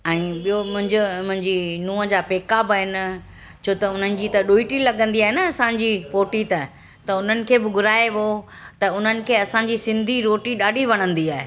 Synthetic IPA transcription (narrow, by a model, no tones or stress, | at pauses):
ɛ̃ːɓijomʊ̃ɦɪ̃ɲd͡ʑʊmʊ̃ɦɪ̃ɲd͡ʑinũːəd͡ʑaːpeːkabɪɦɪnɪ̆ | t͡ɕʰoːt̪ɐʊn̤ənɪ̆d͡ʑiːt̪ɐɗuːiʈilɐɠə̃nd̪iaːɦenɐɐsãɲ̆d͡ʑipoːʈit̪ɐ | t̪ɐʊn̤ənɪ̆kʰeːbɪɡʊɾaːeʋo | t̪ɐʊn̤ənɪ̆kʰeːɐsãɲd͡ʑisɪ̃nd̪ʱiɾoːʈiɗaːɖʱiʋɐɽ̃ə̃nd̪iaːɦe